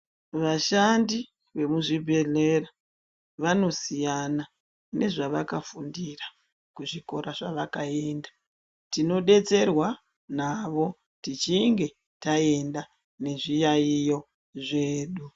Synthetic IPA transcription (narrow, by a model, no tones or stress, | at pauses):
ʋaʃandi | ʋe̞muʐibʱe̞ɮe̞ra | ʋano̞sijana | ne̞ʐaʋakafundira | kuʐiko̞ɾaʐaʋakae̞ndḁ | tino̞ɗe̞t͡se̞rwa | naʋo̞ | tit͡ʃiŋɡe̞ | tae̞nda | ne̞ʐijaijo | ʐe̞ːɗu